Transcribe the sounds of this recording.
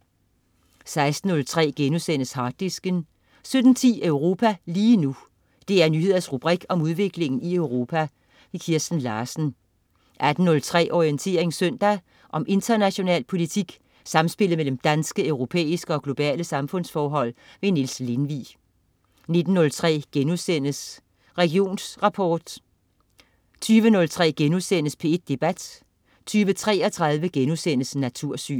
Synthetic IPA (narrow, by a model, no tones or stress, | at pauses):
sɑ̈ɪsd̥n̩ɔ̽lt͡sʰʁɛ̰ːɡ̥enusen̰əshɑ̈ːd̥isɡ̥ən | sød̥n̩t͡sʰḭːœʊʁo̝ːpʰæliːnu | d̥e̝æɐnyːhe̝ð̰ˠɐsʁub̥ʁiɡ̥ɒ̽muð̞ˠʋe̝ɡ̥le̝ŋn̩iœʊʁo̝ːpʰæ | ʋe̝kʰiɐsd̥n̩lɑ̈ːsn̩ | ʔæd̥n̩ːɔ̽lt͡sʰʁɛ̰ːʔɒiənt͡sʰe̝̰ːɐ̰eŋsœn̰d̥æ | ʔɒ̽mʔe̝nd̥ɐnæɕo̝nɛ̰ːlpʰo̝lit͡sʰiɡ̥ | sɑ̈m̩sb̥e̝ləð̩ˠmel̰m̩d̥ænsɡ̥əøʊʁo̝pʰḛːisɡ̥əɒ̽ɡ̥lo̝b̥ɛ̰ːləsɑ̈mfɔ̽n̰sfɒːɦɒ̽l̰ʋe̝nilsle̝nʋḭ | ne̝d̥n̩ːɔ̽lt͡sʰʁɛ̰ːɡ̥enusen̰əs | ʁɛɡio̝̰ːnsʁɑ̈pʰɒːd̥ | t͡sʰyːʋənɔ̽lt͡sʰʁɛ̰ːɡ̥enusen̰əspʰe̝ed̥̚ːe̝b̥æd̥ | t͡sʰyːʋət͡sʰʁɛ̰ːɐt͡sʰʁɑ̈ð̞ˠʋəɡ̥enusen̰əsnæt͡sʰuɐ̰sy̰